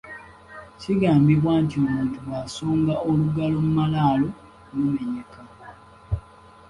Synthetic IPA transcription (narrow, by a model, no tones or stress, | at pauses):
ciɡaːmbiβwaːntiomuːntuβwaːsoːŋɡaoluɡalo̞mumalaːlo̞ | nume̞ɲeka